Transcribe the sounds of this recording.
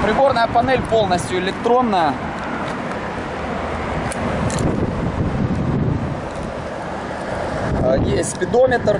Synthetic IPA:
pɾʲɪbo̞rnəjəpɐnɛlʲpo̞lˠnəsʲt̪ʲjʊɪlʲɪkt̪ɾo̞nːəjə | jet̪ʲpʲɪd̪o̞mʲɪt̪r

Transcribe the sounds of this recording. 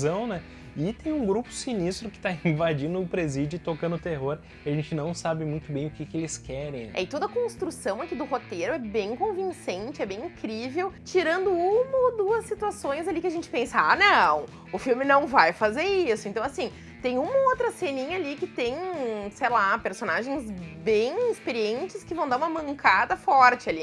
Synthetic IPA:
zɐ̃w̃nɛ | ɪt̪ẽj̃ũɡɾupʊ̥sinist̪ɾʊkɪ̥t̪aĩvad͡ʒĩnd̪ʊːpɾezid͡ʒʊt̪okɐ̃nd̪ʊt̪eɦoɾ | ɪaʒẽnt͡ʃɪnɐ̃w̃sabɪmũj̃t̪ʊbẽj̃ʊkɪkɪelɪskɛɾẽj̃ɛ̰ɪt̪od̪ʊɐkõst̪ɾusɐ̃w̃akid̪ʊhot̪eɾʊɛbẽj̃kõvĩŋsẽnt͡ʃɪɛbẽj̃ĩkɾivewt͡ʃiɾɐ̃nd̪ʊũmɐod̪uɐsːit̪uasõj̃zalikɪaʒẽnt͡ʃɪ̥pẽsɐa̰nɐ̃w̃ | ʊfiwmɪnɐ̃w̃vajfazeɾisʊent̪ɐ̃w̃asĩ | t̪ẽj̃ũmɐowt̪ɾɐsenĩɲɐalikɪt̪ẽj̃sejlapeɾsonaʒẽj̃zbẽj̃ispeɾiẽnt͡ʃɪskɪvɐ̃w̃d̪aɾũmɐmɐ̃ŋkad̪ɐfɔɾt͡ʃɪali

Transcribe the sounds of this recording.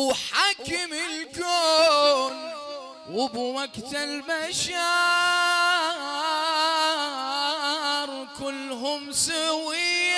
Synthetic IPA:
ħakːɪmɪlkoːn | wɪbwaɡt̪albaʃa | ɾˤkʊlːɦʊmsawɪ

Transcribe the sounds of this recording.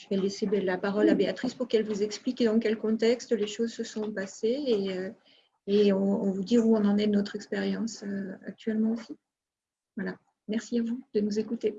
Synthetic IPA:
ʒ̥əvɛlesebɛlapaʁɔlabeat̪χispuʁkɛlvuzɛksplikd̪ɑ̃kʲɛlkɔ̃t̪ɛkst̪leʃozsəsɔ̃paseeøː | ɔ̃ɔ̃vud̪iʁuɔ̃nɑ̃nɛnɔt̪χɛkspeʁjɑ̃søa̰k̚t̪ɥɛlmɑ̃osi | vwala | mɛʁsiavud̪̥ənuzekut̪e

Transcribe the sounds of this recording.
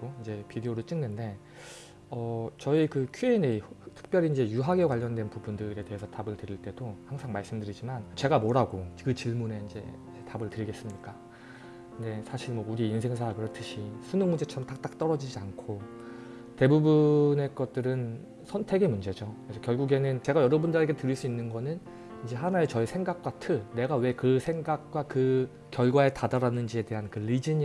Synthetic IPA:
oind͡ʑe̞pideoɾɯɭt͡ɕ͈iŋnɯnde̞ | ʌt͡ɕʌikɯkʰueneitʰɯ̥k̚p͈jʌɾiːind͡ʑe̞juɦaɡe̞kwaʎːʌndwe̞npubundɯɾe̞te̞ɦesʰʌtabɯɭtɯɾiɭt͈e̞dohaŋsʰaŋmaɭs͈ɯmdɯɾid͡ʑimant͡ɕe̞ɡamoɾaɡokɯt͡ɕiɭmune̞ind͡ʑe̞̰ | etabɯɭtɯɾiɡe̞s͈ɯmɲik͈a | kɯnde̞sʰaɕʰiɭmwʌuɾiːns̬ʰeŋs̬ʰakɯɾʌtʰɯɕʰisʰunɯŋmund͡ʑe̞t͡ɕʰʌɾʌmtak̚t͈ak̚t͈ʌɾʌd͡ʑid͡ʑiankʰo | te̞bubune̞k͈ʌt̚t͈ɯɾɯn | sʰʌntʰe̞ɡe̞mund͡ʑe̞d͡ʑokesʰʌkjʌɭɡuɡe̞nɯnt͡ɕe̞ɡajʌɾʌbundɯɾeɡe̞tɯɾiɭs͈uinːɯnɡʌnɯn | ind͡ʑe̞ɦanaet͡ɕʌisʰe̞ŋɡak̚k͈watʰɯɭne̞ɡawe̞kɯsʰe̞ŋɡak̚k͈wakɯ | kjʌɭɡwae̞tadaɾanɯnd͡ʑie̞te̞ɦankɯlid͡ʑiɲ

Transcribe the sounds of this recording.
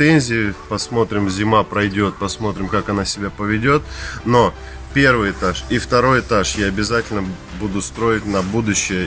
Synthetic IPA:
ɛnʲzʲɪɪpɐsmo̞t̪ɾʲɪmzʲɪmapɾɐjdʲo̞t̪̚pɐsmo̞t̪ɾʲɪmkakɐnasʲɪbʲapəvʲɪdʲo̞t̪̚no̞ | pʲe̞rvɨjɪt̪aʂift̪ɐɾo̞jɪt̪aʂjaɐbʲɪzatʲɪlʲnə | bud̪ʊst̪ɾo̞jɪt̚ʲnɐbud̪ʊɕːɪjə

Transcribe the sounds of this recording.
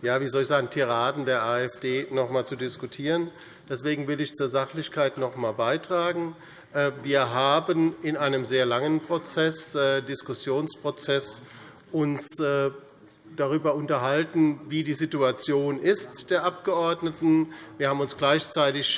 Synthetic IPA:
jaːviːzɔlɪçsz̥aːɡŋ̩tʰiʁaːdn̩deːɐʔaːɛfd̥eːnɔχmaːlt͡sudɪskutʰiːʁən | d̥ɛsv̥eːɡŋ̩vɪlɪçt͡suːɐzaχlɪçkʰaɪtnɔχmaːlbaɪtʁ̥aːɡŋ̩ | ʔɛːviːɐɦaːbənɪnʔaɪnəmzeːɐlaŋənpʁ̥ot͡sɛsɛːdɪskʊsjoːnspʁ̥ot͡sɛs | ʔʊnsɛː | d̥aʁ̞yːbɐʊntɐɦaltn̩viːdiːzituat͡sjoːnɪstd̥eːɐʔap̚ɡ̥əʔɔɐdnətn̩viːɐhaːbm̩ʊnsɡ̥laɪçt͡saɪtɪç

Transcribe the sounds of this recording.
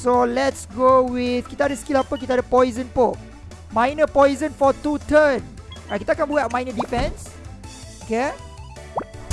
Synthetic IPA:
solɛtsɡowiθkit̪əadəskilapək̬it̪aadəpɔjzə̃npo | mãjnəpɔjzə̃nfɔt̪ut̪ə̃nrajkːit̪aːakãnbukɛmãjnədifɛ̃ns | oke

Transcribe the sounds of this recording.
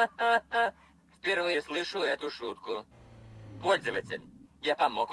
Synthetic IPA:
fpʲɪrvɨslˠɨʂʊɛt̪ʊʂut̪̚kʊ | pɔlʲzəvətʲɪ̰lʲjapɐmɔk

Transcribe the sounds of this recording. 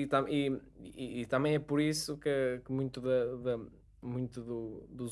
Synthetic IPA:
it̪ɐmiː | t̪ɐmẽj̃ɛpɔɾisukɨkɨmũj̃t̪uðɐðɐ | mũj̃t̪uðuðuz

